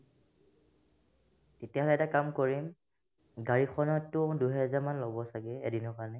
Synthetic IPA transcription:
tetiaɦɔlɛtakamkoɹim | ɡaɹixʰɔnɔtːʊduɦɛzaɹmanlɔbɔsaɡɛɛdinɔkanɛ

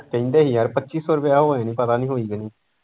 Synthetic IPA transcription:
kə̃ĩnd̪eːɦiːəɾpətːʃiːsɔːɾəpjaːɦoːeːnĩːpət̪aːnĩːɦoːiːɡəniː

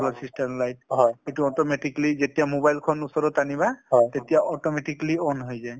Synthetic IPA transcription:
ɔlɔsistɛmlajthɔetuɔtɔmeʈiklizetijamobajlkʰɔnusɔɹɔtaniβaɦɔjt̪etijaʔɔtɔmɛʈikliɔnɦojzaj

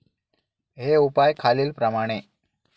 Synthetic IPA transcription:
ɦeupajkʰaliːlpɾəmaɽ̃e

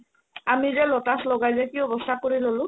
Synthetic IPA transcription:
amizɛlotaslɔɡajzɛkiɔbɔstʰakoɹilolʊ̃

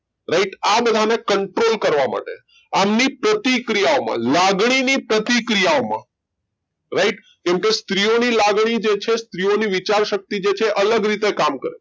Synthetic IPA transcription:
ɾaiʈabəd̪ʱanekəɳʈɾolkəɾʋama̰ʈḛ | amnipɾət̪ikɾijaomã̰laɡɳ̃inipɾət̪ikɾijaomã̰ | ɾaiʈ | kɛ̃mkest̪ɾionilaɡɽ̃id͡ʒet͡ʃʰest̪ɾijoniʋit͡ʃaɾʃək̚t̪id͡ʒet͡ʃʰeʔələɡɾit̪ekamkəɾḛ

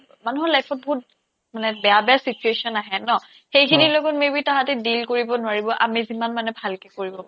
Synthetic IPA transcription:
manuɦɔɹlajpʰɔt̚bɔɦut̚ | manɛbɛjabɛasit͡ʃuesɔnaɦɛnɔ | xejkʰinilokɔtmebitaɦatɛdilkoɹibɔnʊaɹibɔʔa̰mizimanmanɛbʱalkɛkoɹibɔpa

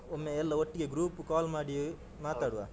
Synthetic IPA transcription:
omːeːɛlːɐoʈːiɡeɡɾuːpukaːlmaːɽi | maːt̪aːɽuʋa̰ː

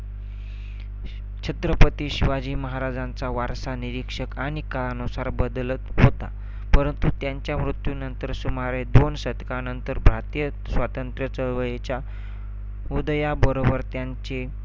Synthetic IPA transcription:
t͡ɕʰət̪ɾəpət̪iːɕiʋad͡ʑiːməɦaɾad͡zant͡saʋaɾsaniɾikʂəkaɽ̃ikaɭanusaɾbəd̪lət̪ɦot̪a̰ | pəɾənt̪ut̪jaɲt͡ɕjamɾut̪junənt̪əɾsumaɾed̪onsəd̪kanənt̪əɾbʱɾat̪ijə | sʋat̪ənt̪ɾjət͡səɭʋəjet͡ɕja | ud̪jabəɾobəɾt̪jaɲt͡ɕe

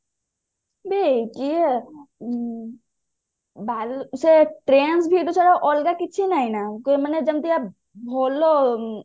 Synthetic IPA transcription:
bʱiki | baːlseʈɾeːnsbʱiʈ̪osʰaɾaʔɔːlɡakɪtːt͡ʃʰinaːinakoməned͡ʒɐmt̪ia | bʱoːlo

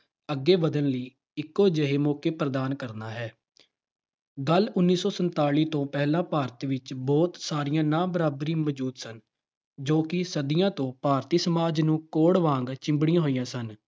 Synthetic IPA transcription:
əɡːeːbəd̪ənləiː | ɪkːoːd͡ʒəɦeːmɔːkeːpɾəd̪aːnkəɾnaːɦɛː | ɡəlʊnːiːsɔːsənt̪aːliːt̪õːpɛːlãːpaːɾt̪ʋɪt͡ʃbɔːt̪saːɾɪjãːnãːbəɾaːbəɾĩːmɔd͡ʒuːd̪sən | d͡ʒoːkɪsəd̪ɪjãːt̪õːpaːɾt̪iːsəmaːd͡ʒnũːkoːɽʋãːŋɡt͡ʃɪ̃mbɽ̃ijãːɦoːijãːsən

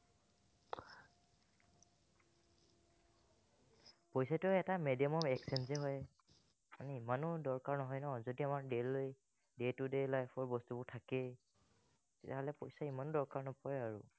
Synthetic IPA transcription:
pojsatʊɛtamedijɔmɔmɛksɛnzɛɦɔj | manɛimanʊdɔɹkaɹnɔɦɔjnɔzodiamaɹdeloj | detudelajpʰɔɹbɔstubʊɹtʰakɛ | tɛtaɦɔlɛpɔjsaimandɔɹkaɹnɔpɔɹɛaɹṵ

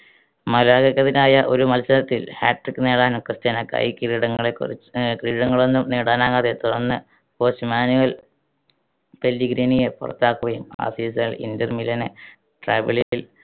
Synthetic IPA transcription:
mɐlaːɣɐkːɐðinaːjɐʔo̞̰ɾumɐlsɐnɐt̪ːilhaːʈːrikːɨneːɽaːnumkrɨstɐnɐkɐ̰jkiɾiɽɐŋːɐɭekːṵrikiɻiɽɐŋːɐɭo̞nːumniːɽaːnaːŋaːðet̪uɽɐnːɨ | poːsɨmaːnuʋɐl | pelːiɡɾiːnijepṵrɐ̰t̪ːaːkːuʋɐjuma̰ːsiːsɐɭḭndɐrmilɐne | ʈraːʋiɭiil

